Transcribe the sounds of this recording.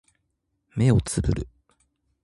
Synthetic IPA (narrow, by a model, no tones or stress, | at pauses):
me̞o̞t͡sɨbɯ̟̰ɾɯ̟